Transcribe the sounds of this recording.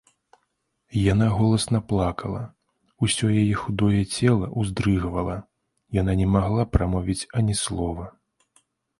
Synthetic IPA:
janaɣɔlˠɐsnɐplˠakɐlˠɐ̰ | usʲɔjajɛxud̪ɔjɛt͡sʲɛlˠɐʔuzd̪ɾɨɣvɐlˠɐ | jan̪anʲɛmaɣlˠapɾamɔvʲit͡sʲɐnʲislˠɔvɐ

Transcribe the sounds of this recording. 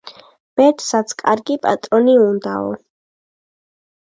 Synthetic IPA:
b̥ɛt̪ʰsat̪sʰkʼaɾɡipʼa̰t̪ʼɾɔniund̪aɔ̰

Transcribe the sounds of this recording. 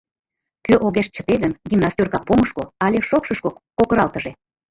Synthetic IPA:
køʔoɣeʃt͡ɕə̆t̪elənɡ̪ʲimnɑsʲt̪ʲorkɑk̚poməʃkoɑlʲeʃokʃəʃkokkokəɾɑlt̪ə̆ʒe

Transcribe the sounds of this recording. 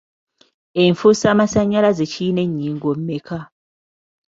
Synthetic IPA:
eɱfusamasaɲːalazecine̞ɲːiːŋɡwom̩meka

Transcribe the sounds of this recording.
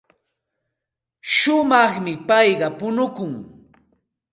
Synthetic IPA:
ʃʊmɑχmɪpɑjɢɑpʊnʊkʊŋ

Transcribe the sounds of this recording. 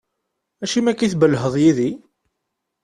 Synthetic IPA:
æʃimækiθbəlɦəðˤjiði

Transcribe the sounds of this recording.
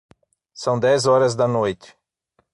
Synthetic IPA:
sɐ̃w̃d̪ɛzɔɾɐzd̪ɐnojt͡ʃ̪ɪ̥

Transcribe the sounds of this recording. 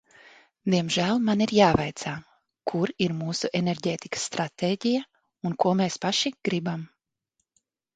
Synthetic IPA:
d̪iɛmʒæːlˠmaniɾjaːvajt̪saː | kʰuɾiɾmuːsuʔeneɾɟeːt̪ikḁsːt̪ɾat̪eːɟija | unkuɔmeːspaʃiɡ̥ɾibam

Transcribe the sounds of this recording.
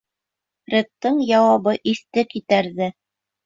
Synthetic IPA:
ɾʲĕt̪ːɤɴjɑwɑβɤʔiθt̪ɘkit̪æɾðɘ

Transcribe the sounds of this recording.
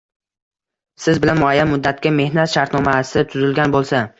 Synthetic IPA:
sɪzbɪlanmʊajːanmʊd̪ːat̪̚kʲame̞hnat̪ʃaɾt̪nɒmasɪt̪ʰʊzɪlɡʲanbolˠsa

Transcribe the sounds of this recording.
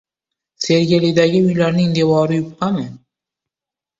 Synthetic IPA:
se̞ɾɡʲelɪd̪aɡʲɪʊjlaɾnɪŋd̪e̞vɒɾɪjʊpʰːamɪ

